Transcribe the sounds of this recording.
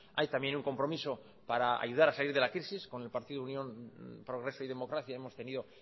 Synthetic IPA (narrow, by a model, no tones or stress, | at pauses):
ajt̪amje̞nuŋko̞mpɾo̞miso̞ | paɾaa̰juð̞aɾasaliɾðe̞lakɾisisko̞ne̞lpaɾt̪iðunjõ̞mpɾo̞ɣ̞ɾe̞so̞iðe̞mo̞kɾaθjae̞mo̞st̪e̞niðo̞